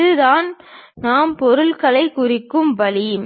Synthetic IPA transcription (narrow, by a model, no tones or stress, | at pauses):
ɯðaːn | naːmpɔɾɯlkɐlɐɪkʊrɪkːɯmʋɐlim